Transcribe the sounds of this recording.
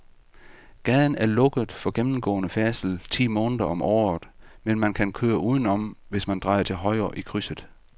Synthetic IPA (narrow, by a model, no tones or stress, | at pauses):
ɡ̥ɛðˠn̩æɐlɔ̽ɡ̥əð̩ˠfɒ̽ɡ̥emm̩ɡ̥ɔ̰̽ːnəfæɐsl̩t͡sʰḭːmɔ̽ːnəðˠɐʔɒ̽mʔɒ̰ːð̩ˠmenmænkʰænkʰøːɐʔuːð̞ˠən̩ɒ̽mʋe̝smænd̥ʁɑ̈ɪɐt͡sʰe̝lɦɒ̽ɪɐʔikʰʁysəð̩ˠ